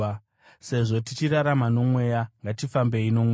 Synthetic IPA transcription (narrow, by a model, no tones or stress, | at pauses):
se̞ʐo̞t̬it͡ʃiraɾamano̞mwe̞jaŋɡatifambe̞ino̞mwe